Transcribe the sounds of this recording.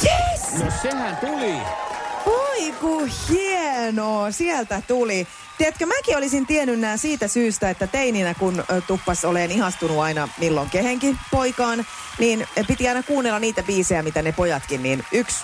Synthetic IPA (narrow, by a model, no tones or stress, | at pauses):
jenosehænt̪uli | oikuhienoːsiɛlt̪æt̪uli | t̪iæt̪kømækiolisint̪ienynːæːsiːt̪æsyːst̪æet̪ːæt̪eininækunt̪upːɑsoleːnihɑst̪unuɑinɑmilːoŋkeheŋkipoikɑːn | niːnpit̪iɑinɑkuːnːelːɑniːt̪æbiːsejæmit̪ænepojɑt̪kinniːnyks